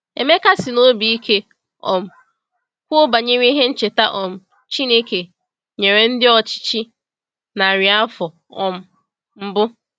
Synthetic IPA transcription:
ḛ˨me˦ka˦sɪ˨no˦bi˨i˦kʰe˦ | ɔ̰˨m̩˨ | kʷo˦ba˨ɲe˦ɲe˦i˦ɦe˦n̩˦t͡ʃe˨ta˦ʔɔ˨m̩˨ | t͡ʃi˦ne˦ke˨ | ɲe˨ɾe˨n̩˦dɪ˦ɔ˦t͡ʃi̥˦t͡ʃi˦ | na˨ɾɪ˨a˦fɔ˨ | ɔ˨m̩˦ | m̩˦bʊ˦

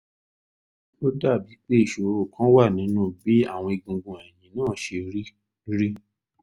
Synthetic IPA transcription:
o˦da˦˨bi˨˦k͡pe˦i˦˨ʃo˨˦o˦˨kʰã˦wa˦˨nĩ˨˦nũː˦˨bi˨˦a˦˨w̃ɔ̃˧i˧ɡũ˨ɡũ˨ɛ˨jĩ˨nãː˨˦˨ʃe˧ɾi˦ | ɾi˦

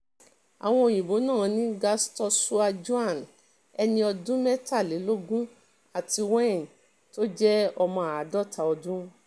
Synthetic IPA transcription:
a̰˨w̃ɔ̃˧o˧˨jĩ˨bo˨˦nã˦˨˧nĩ˦ɡa˧stɔ˧su˦a˧d͡ʒu˦a˦˨n | ɛ˧nĩ˧ɔ˧dũ˦mɛ˦ta˦˨le˨˦lo˦ɡũ˦ | a˨ti˧wɛ̃˦˨n˨ | to˦d͡ʒɛ˦ɔ˧mɔ̃˧a˨a˨dɔ˦˨tʰa˧˨ɔ˧dũ˦

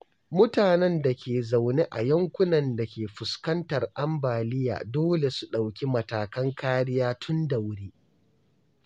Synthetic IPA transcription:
mʊ˦taː˨nɛ˦nda˨kʲeː˨za˨wne˦ʔa̰˨jɐ˦ŋkʷʊ˦nɐ˨nda˨kʲeː˨ɸʊ˨skɐ˦ntɐ˨rʔa˦mbaː˨lɪ˦ja̰ː˨doː˦le˨su˨ɗa˨wkʲi˦mɐ˨taː˨kɐ˦ŋkaː˦ɽɪ˦jaː˦tʰʊ˦nda˨wɽiː˦

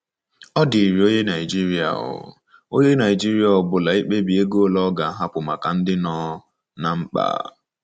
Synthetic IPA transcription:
ɔ˦di˨ɾi˨o˦ɲe˦na˨i˨d͡ʒi˦ɾi˦a̰˨ɦʊ̰˨ | o˦ɲe˦na˨ɪ˨d͡ʒi˦ɾi˦a˨ɔ˨bʊ˨la˨i˦k͡pe˦bi˨e˦ɡo˦˨lɔ˦ɡa˨˦ɦa˦pʊ˨ma˨ka˨n̩˦dɪ˦nɔː˦ | na˨ŋ͡m̩˦k͡pa̰ː˨

